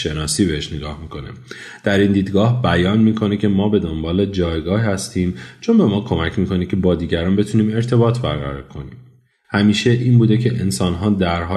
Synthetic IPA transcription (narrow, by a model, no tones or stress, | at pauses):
ʃe̞nɒːsiːbehe̞ʃneɡɒːhmiːkʰo̞nḛ | d̪̥æɾiːnd̪iːd̪ɡɒːhbæjɒːnmiːkʰo̞necʰe̞mɒːbe̞d̪ombɒːle̞d͡ʒɒːjɡɒːɦhæst̪iːmt͡ʃʰo̞nbe̞mɒːkʰo̞mæcʰmiːkʰo̞nicʲʰe̞bɒːd̪iːɟæɾɒːnbe̞t̪ʰuːniːme̞ɾt̪ʰe̞bɒːt̪ʰbæɾɣæ̰ɾɒ̰ːɾkʰo̞nḭːm | hæmiːʃe̞ʔiːnbuːd̪e̞cʰe̞ʔensɒːnɦɒːd̪æɾɦɒː